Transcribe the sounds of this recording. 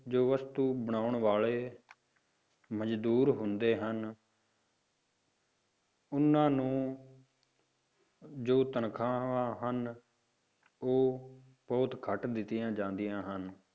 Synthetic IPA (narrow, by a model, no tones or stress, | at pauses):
d͡ʒoːʋəst̪uːbəɳ̃aːʊɳʋaːɭeː | məd͡ʒd̪uːɾɦʊnd̪eːɦən | ʊnːãːnũː | d͡ʒoːt̪ənkʰãːãːɦən | oː | pɔːt̪kʰəʈd̪ɪt̪ːijãːd͡ʒãːnd̪ɪjãːɦən